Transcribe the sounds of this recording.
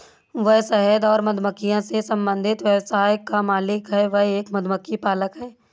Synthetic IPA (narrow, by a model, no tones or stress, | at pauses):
ʋəɦsɛɦəd̪ɔːɾmɐd̪ʱməkːijãsesɐ̃mbə̃nd̪ʱɪt̪ʋɛbsaːjkamaːlɪkɦɛːʋɐɦeːkmɐd̪məkːipaːləkɦɛː